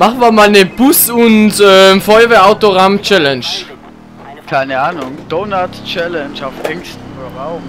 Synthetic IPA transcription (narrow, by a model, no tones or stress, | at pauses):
maχn̩viɐmaːlnəb̥ʊsʊntɛːmfɔʏɐvɛːɐʔaʊtoʁamt͡ʃɛlɛnʃ | kʰaɪnəaːnʊŋd̥oːnatt͡ʃɛlɛnt͡ʃaʊfʔɛŋstodɐʁaʊm